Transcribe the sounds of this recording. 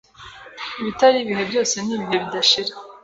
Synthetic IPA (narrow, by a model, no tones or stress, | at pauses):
iβitaɾiβihe̞bjo̞ːse̞niːβiɦe̞βidaʃiɾa